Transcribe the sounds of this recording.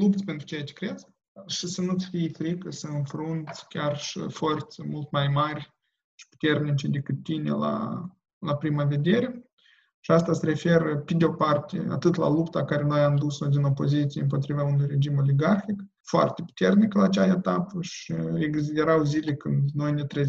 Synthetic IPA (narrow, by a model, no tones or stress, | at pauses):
lupt̪sʲpe̞nt̪ɾu̥t͡ʃejat͡ʃe̥kɾe̞d̪zʲ | ʃisənusfijfɾikəsəɨnfɾunt̪sʲkʲarʃḭfo̞rt̪səmult̪majmarʲ | ʃi̥pu̥t̪e̞rnit͡ʃed̪ekɨt̪ːinḛla̰ | lapɾimave̞d̪e̞ɾe̞ | ʃiast̪asəɾe̞feɾəped̪ʲeo̞part̪ʲḛa̰t̪ɨt̪la̰lupt̪akaɾe̞no̞jamd̪usod̪ino̞po̞zit̪sieɨmpo̞t̪ɾivaunujre̞d͡ʒimo̞liɡarxik | foa̰rt̪epu̥t̪e̞rnikəlaːt͡ʃaet̪apəʃieɡzid̪eɾawzilʲekɨnd̪no̞jnet̪ɾe